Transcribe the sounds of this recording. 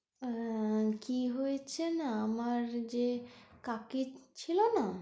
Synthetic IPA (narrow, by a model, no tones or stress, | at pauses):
kiɦojet͡ɕʰenaamaɾd͡ʑekakit͡ɕʰilona